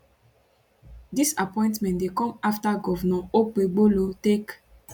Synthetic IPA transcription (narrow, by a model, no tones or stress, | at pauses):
disapɔ̃ɪ̃ntmɛ̃ndekɔ̃maftaɡɔvnɔ̃ok͡peɡ͡bolotek